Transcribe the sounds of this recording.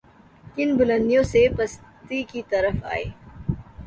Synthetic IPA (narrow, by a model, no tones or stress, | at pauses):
kɪnbʊlə̃nd̪ijõsepɐst̪ikit̪ɐɾəfa̰ːḛː